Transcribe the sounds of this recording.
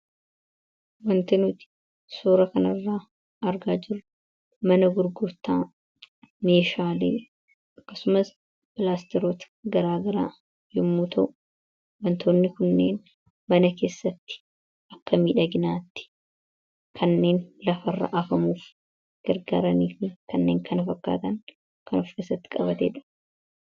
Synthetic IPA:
wɐnt̪ɪnuːt̪ɪ̥ | soːɾɐkɐnɐrːaː | ʔɐɾɡaːd͡ʒɪrːʊ | mɐnɐɡʊɾɡʊɾt̪aː | meːʃaːlḭː | ʔɐkːɐsʊmɐs | bɪlaːst̪ɛɾoːt̪ɐ̥ɡɐɾaːɡɐɾa̰ː | jɪmːuːt̪ʰɐʔʊ̥ | wɐnt̪ʰoːnːɪkʊnːe̞ːn | mɐnɐke̞ːsːɐt̪ːɪ̥ | ʔɐkːɐmiːᶑɐɡɪnaːt̪ːɪ̥ | kʰɐnːe̞ːnlɐfɐrːɐ̰ʔɐfɐmuːf | ɡ̥ɐɾɡa̰ːɾɐniːfɪnkɐnːeːŋkʰɐnɐfɐkːa̰ːt̪ɐŋ | kʰɐnɔfke̞ːsːɐt̪ːɪ̥kʼɐbɐt̪ḛːᶑɐ̥

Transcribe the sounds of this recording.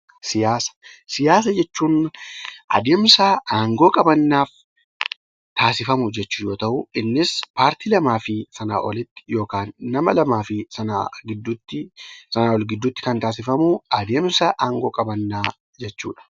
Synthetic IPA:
sɪjaːsɐ̥sɪjaːs̬ɐd͡ʒɛt͡ʃːuːn | ʔɐ̰d̪eːmsaaːŋɡo̞ːkʼɐbɐnːaːf | t̪ʰaːsɪfɐmʊd͡ʒɛt͡ʃːʊjo̞ːt̪ɐʔʊɪnːɪspaːɾt̪iːlɐmaːfɪsɐna̰ːʔɔlɪt̪ːɪ̥jo̞ːkaːnːɐmɐlɐmaːfɪsɐna̰ɡɪd̪ːʊt̪ːɪsɐnaːwɔlɡɪd̪ːʊːt̪ːɪ̥kɐnt̪aːs̬ɪfɐmʊɐd̪e̞ːmsɐʔaːŋɡo̞ːkʼɐbɐnːaː | d͡ʒɛt͡ʃːṵːᶑɐ̥

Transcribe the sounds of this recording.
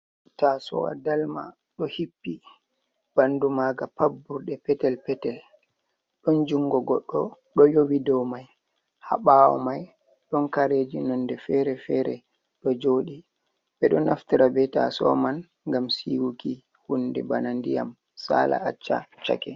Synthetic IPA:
tasɔ̰wa̰dalma̰ | ɗɔhipːi | b̥andumaɡapabuɾɗɛpɛtɛlpɛtɛl | ɗɔnd͡ʒuŋɡɔɡɔɗːɔ | ɗɔjowidɔwmaj | ha̰ɓawɔ̰maj | ɗɔnkaɾed͡ʒinɔndɛfɛɾɛfɛɾɛ | ɗɔd͡ʒoːɗi | bɛɗɔnaftiɾabɛta̰sɔ̰man | ŋɡamsiwuki | hundɛbanandija̰m | sa̰ːlʔa̰at͡ʃːa̰t͡ʃa̰kɛ

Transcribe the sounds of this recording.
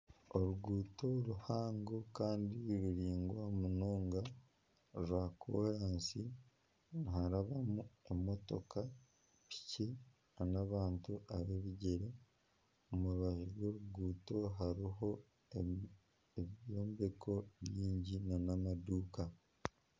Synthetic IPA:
oɾuɡuːto̞ɾuhaːŋɡo̞kaːndiɾuɾiːŋɡwamuno̞ːŋɡa | ɾuakʰoɾaːnsi | niɦaɾaβamue̞mo̞to̞̰ka | pi̥ci | anaβaːntuʔaβeβiɟeɾe | omuɾuβaʒeɾɡwo̞ːɾuɡuːto̞ɦaɾiɦo̞ | eβjo̞ːmbe̞kʰo̞βjiːɲɟinanamaduːka

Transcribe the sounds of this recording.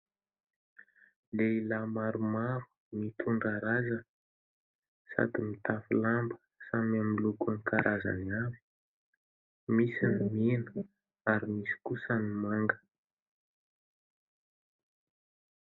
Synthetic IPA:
leilamaɾumaɾu̥ | mit̪ʰuɳɖ͡ʐaɾazə | sa̰d̪imit̪afilambə̥ | samamilukanikaɾʔaza̰niavi | misinmenə̥ | aɾimisi̥kusənimaŋɡə̥

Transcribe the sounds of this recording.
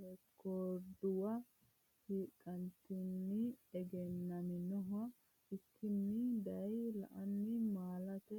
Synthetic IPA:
ɛkːod̪ʊwɐ | hiːkʼːɐnt̪ɪnːɪɛɡɛnːɐmɪnɔɦɐ | ɪkʰːɪnːɪd̪ɐjlɐ̰ʔɐnːɪmaːlɐt̪ɛ

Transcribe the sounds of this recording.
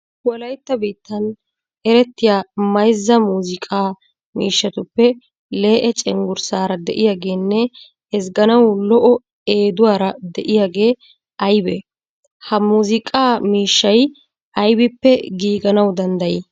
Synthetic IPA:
wɔlɐjt̪ːɐbiːt̪ːɐn | ɛɾɛt̪ːɪjaːmɐjzːɐmuːzɪkʼaː | miːʃːɐt̪ʊpːɛ | le̞ːʔɛt͡ʃʼɛŋɡʊɾsaːɾɐd̪ɛ̰ʔɪjaːɡe̞ːnːɛ | ɛsɡɐnɐwlɔʔɔ | eːd̪ʊwaːɾɐd̪ɛʔɪjaːɡe̞ː | ɐjbɛ | hɐmuːzɪkʼaːmiːʃːɐj | ɐjbɪpːɛɡiːɡɐnɐwd̪ɐnd̪ɐjɪ

